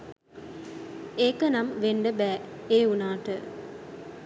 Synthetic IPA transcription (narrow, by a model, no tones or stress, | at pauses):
eːkənamʋeɳɖəbæːeːunaːʈə